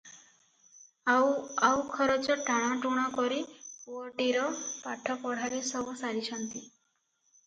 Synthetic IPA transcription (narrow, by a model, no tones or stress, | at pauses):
aawkʰɔɾot͡ʃɔʈaɽ̃ɔʈuɽ̃ɔkɔɾipwɔʈiɾɔpaʈʰɔpɔɽ̤aɾesɔbusaɾit͡ʃʰɔnt̪i